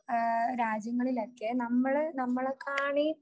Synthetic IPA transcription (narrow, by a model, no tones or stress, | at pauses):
ɾaːd͡ʑjɐŋːɐɭilekːenɐmːɐɭnɐmːɐɭekʰːaːɳi